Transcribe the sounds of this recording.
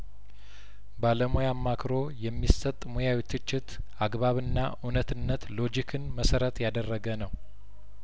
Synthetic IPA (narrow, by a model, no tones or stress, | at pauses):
baləmojamːakʰɾo̞jɛmːisət̪ʼːmojawit̪ʰɨt͡ʃːɪt̪ | ʔaɡβaβɨnːa̰ʔunət̪ɨnːət̪lo̞d͡ʒikʰɨnməsəɾət̪jad̪ərːəɡənəw